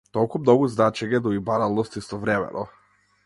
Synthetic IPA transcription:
t̪ɔlˠkumnɔɡuznat͡ʃɛɲɛd̪ɔibaɾalˠnɔst̪ist̪ɔvɾɛmɛ̰nɔ

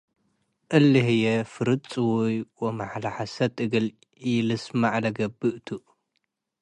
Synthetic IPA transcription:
ʔɨlːɨhɨjɛfɨɾɨt͡sʼɨwujwomaħalaħasɐt̪ʼɨɡɨl | ilɨsmaʕlɐɡɐbːɨʔt̪ʰuʔ

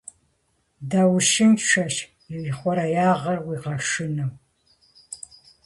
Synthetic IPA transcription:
dawʃɪnʃʷɐʃ | iwiχʷɔɾɐjaːʁɐrwiːqɐʃɪnɐw

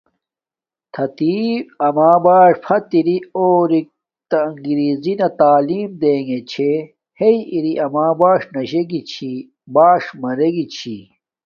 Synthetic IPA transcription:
t̪ʰɐt̪iːɐmaːbaːʂpʰɐt̪iɾioːɾik̚ | t̪ɐːŋɡiɾiːzinɐt̪aːliːmd̪eːŋɡet͡ɕʰe | heiiɾiʔɐmaːbaːʂnɐɕeɡit͡ɕʰi | baːʂmɐɾeɡit͡ɕʰi

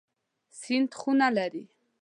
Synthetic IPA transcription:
sint̪χunalɛɾi

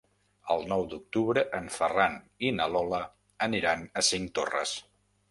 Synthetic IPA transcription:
ə̰lˠnɔwd̪uk̚t̪uβɾəʔəɱfəran | inəlɔlə | əniɾanəsiŋt̪o̰rə̰s

